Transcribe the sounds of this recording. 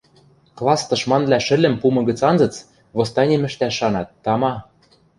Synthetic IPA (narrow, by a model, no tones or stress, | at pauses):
klˠɑst̪ɤ̆ʃmɑnβlʲæʃɘ̆lʲɘ̆mpumɤ̆ɡə̆t͡sɑnzɤ̆t͡s | βost̪ɑnʲemɘ̆ʃt̪æʃːɑnɑt̪ːɑmɑ